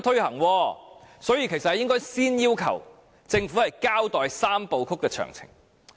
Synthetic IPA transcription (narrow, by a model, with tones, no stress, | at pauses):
t̪ʰɵ˥ɥhɐ˨˩ŋwɔː˧sɔː˨˥jiː˧kʰe˨˩jsɐt̚hɐ˨jɪ˥ŋkɔː˥jsiː˥njiː˥wkʰɐ̰˨˩w | t͡sɪ˧ŋfu˨˥hɐ˨jkaː˥wt̪ɔː˨jsaː˥mpo˨˧wkʰʊ˥kːɛː˧t͡ʃʰœ̰ː˨˩ŋt͡sʰɪ̰˨˩ŋ